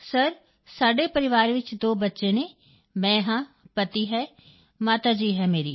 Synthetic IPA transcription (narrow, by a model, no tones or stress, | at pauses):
səɾ | saːɖeːpəɾɪʋaːɾʋɪt͡ʃd̪oːbətːʃeːneː | mɛ̃ːɦãː | pət̪iːɦɛː | maːt̪aːd͡ʒiːɦɛːmeːɾiː